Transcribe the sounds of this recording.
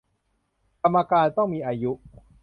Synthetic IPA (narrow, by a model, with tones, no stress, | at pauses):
ka˧mːa˧kaː˧nt̪ɔ˥˩ŋmiː˧ʔaː˧ju˦˥ʔ